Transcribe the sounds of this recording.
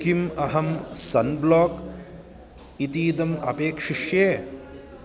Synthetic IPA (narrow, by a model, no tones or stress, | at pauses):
kimɐɦɐmsɐnbloːk | it̪iːd̪ɐmɐ̰peːkʂiʂjeː